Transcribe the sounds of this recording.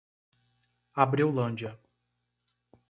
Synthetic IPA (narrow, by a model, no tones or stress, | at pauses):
abɾiwlɐ̃d͡ʒɐ